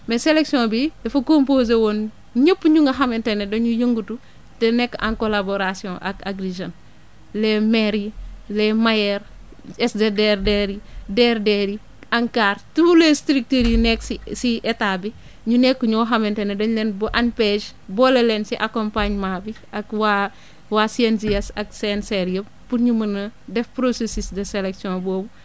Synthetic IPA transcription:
meseleksiõbidefukompoːzewon | ɲəpːɲuŋɡɐɦamentenedoɲujəŋɡutu | tenekːã̰ŋkolaboɾasiõʔa̰ka̰ɡɾiʒon | lemeɾilemajeɾ | esdedeɾdeɾideɾdeɾi | aŋkaɾtulestɾik̚tiɾinɛksisiʔetabi | ɲunɛkːuɲɔːɦɐmentɛnɐdɐɲlɛnbuʔanpeʒ | bɔːlelɛnsiʔakompaɲmaːbiʔɐkwa | wasiɛnziɛsɐksenseɾjəb̚ːuɾɲumɐnɐdɛfpɾosesisdəselɛksiɔ̃bɔːbu

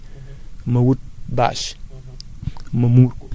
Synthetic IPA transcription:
mɐwut̚ba̰ʃ | mɐmuɾ

